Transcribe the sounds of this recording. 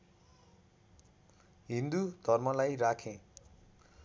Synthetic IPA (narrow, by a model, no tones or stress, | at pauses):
ɦĩnd̪ud̪̥ʱʌrmʌlajrakʰẽ